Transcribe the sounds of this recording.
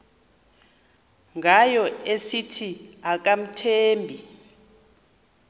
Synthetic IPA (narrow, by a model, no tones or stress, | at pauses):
ŋɡʱajɔesitʰiak̬ʼam̩tʰeːmbʱi